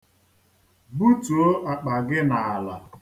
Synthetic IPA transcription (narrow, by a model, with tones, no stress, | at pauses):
bu˦tu˨o˦ʔa˨k͡pa˨ɡɪ˦na˨a˨la˨